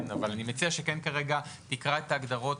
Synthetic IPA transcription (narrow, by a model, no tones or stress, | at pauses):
avalanimet͡siaʃekenkaʁeɡat̪ikʁae̞t̪aːɡd̪aʁo̞t